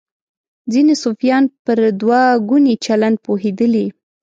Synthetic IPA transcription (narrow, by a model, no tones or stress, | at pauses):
d͡zinesofjɑnpəɾd̪wɑɡunit͡ʃaland̪̚poɦed̪əli